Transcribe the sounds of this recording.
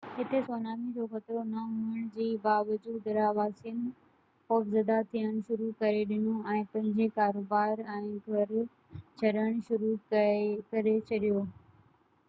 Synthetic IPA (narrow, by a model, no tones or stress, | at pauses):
ɦɪt̪esoːnaːmid͡ʑoxɐt̪ɾonɐɦũːəɽ̃d͡ʑiːbaːʋəd͡ʑuːd̪ɾaʋaːsiən | xoːfzɐd̪at̪ʰijəɽ̃ʃʊɾukɐɾeɗɪnoɛ̃ːpɐ̃ɦɪ̃ɲd͡ʑekaːɾoːbaːɾɛ̃ːɡʱɐɾ | t͡ɕʰɐɾəɽ̃ʃʊɾukkɐɾet͡ɕʰɐɗijoː